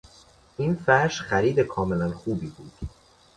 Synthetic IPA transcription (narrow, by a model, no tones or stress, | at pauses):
ʔinfæɾʃxæɾiːd̪e̞kʰɒːme̞lænxuːbiːbuːd̪̥